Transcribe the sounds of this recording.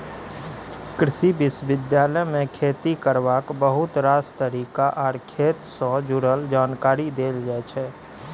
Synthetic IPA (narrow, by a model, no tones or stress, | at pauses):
kɾɪʃibɪsʋɪd̪jaːləmẽkʰeːt̪ikəɾʋaːkbəɦʊt̪ɾaːst̪əɾiːkaʔɔːɾkʰeːt̪sɔ̃d͡ʒʊɾəld͡ʒaːnkaːɾid̪eːld͡ʒat͡ʃʰɛː